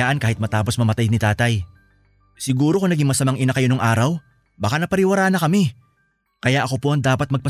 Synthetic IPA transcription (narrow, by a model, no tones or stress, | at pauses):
aːʔɐnkaːhɪt̪̚mɐt̪aːpo̞smɐmɐt̪ajnɪt̪aːt̪ɐj | sɪɡuːɾo̞kʊŋnɐɡiŋmɐsɐmaŋʔɪnakɐjo̞noŋʔaːɾɐw | bɐkanɐpɐɾɪwɐɾaːnɐkɐmɛ | kɐjaʔɐko̞po̞ʔɐŋd̪aːpɐt̪̚mɐɡ̚pɐ